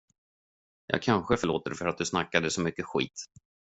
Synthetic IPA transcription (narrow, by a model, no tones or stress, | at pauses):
jʔɑ̰ːɡ̚kʰanɧəfœɭoːt̪əɖɛfœɾat̪̚d̪ɵsnakːad̪əsɔmʏkːəɧḭːt̪